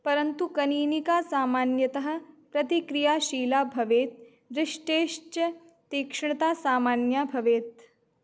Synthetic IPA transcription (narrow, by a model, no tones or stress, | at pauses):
pɐɾɐnt̪ukɐniːnikaːsaːmaːnjɐt̪ɐɦɐ̆pɾɐt̪ikɾijaːʃiːlaːbʱɐʋeːt̪̚ | ɾɪʂʈeːʃt͡ʃɐ | t̪iːkʂɳɐt̪aːsaːmaːnjaːbʱɐʋeːt̪̚